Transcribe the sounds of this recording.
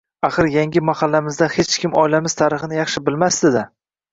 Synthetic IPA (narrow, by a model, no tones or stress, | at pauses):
aχɨɾjaŋʲɪmahalːamɪzd̪ahet͡ʃkʲʰɪmɒjlamɪzt̪ʰaɾɪχɨnɪjɑχʃɪbɪlmasd̪ɪd̪ɪ